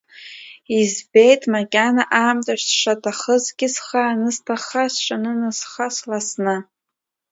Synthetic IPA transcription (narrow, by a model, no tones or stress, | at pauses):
izbe̞jtʼmakʲʼanaʔaːmtʼaʃʷsʂʷatʼʰaχəzɡʲɪsχaːnɨstʰaχasʃʷʼanɨnɨsχaslasnɨ